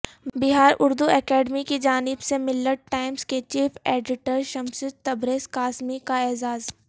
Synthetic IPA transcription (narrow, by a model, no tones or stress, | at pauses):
bɪɦaːɾʔʊɾd̪uɛːkɛːɖmikid͡ʒaːnɪbsemɪlːəɖ̚ʈaːɪmsket͡ʃiːfʰeːɖɪʈəɾʃɐmsʊd͡ʒt̪ɐbɾeːskaːsmikaɛːzaːz